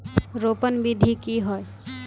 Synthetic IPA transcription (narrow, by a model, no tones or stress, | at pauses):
ɾoːpənbid̪ʱikiɦoe